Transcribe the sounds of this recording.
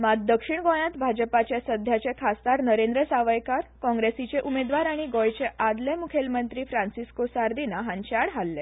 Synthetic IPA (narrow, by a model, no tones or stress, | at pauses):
mad̪̚d̪əkʂiɳɡɔɭjãt̪bʱad͡ʑəpat͡ɕjasəd̪ʱjat͡ɕekʰast̪aɾnəɾẽnd̪ɾəsaʋəjkaɾkɔ̃ŋɡɾesit͡ɕeʔumed̪ʋaɾaɽ̃iɡɔjt͡ɕeʔad̪lemukʰelmənt̪ɾiːfɾãnsiskosaɾd̪inaɦãɲt͡ɕaɽɦalːe